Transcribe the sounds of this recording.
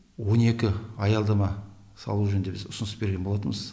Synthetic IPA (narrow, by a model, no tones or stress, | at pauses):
wo̞ne̞kʲɪɑjɑlˠd̪ɑmɑ | sɑ̰lˠuʒɵnd̪e̞bɪzʊsʊnəsbe̞ɾɡʲebolˠɑt̪əməz̥